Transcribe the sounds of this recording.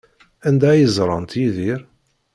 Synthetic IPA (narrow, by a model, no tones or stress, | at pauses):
ænd̪æjəzˤɾˤɑ̰nt̪iðiɾ